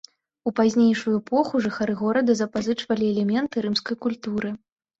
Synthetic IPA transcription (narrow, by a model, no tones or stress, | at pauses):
upazʲnʲejʂujuɛpɔxuʐɨxaɾɨɣɔɾɐd̪ɐzɐpazɨt͡ʂvɐlʲiɛlʲɛmʲɛnt̪ɨɾɨmskɐjkulʲt̪uɾɨ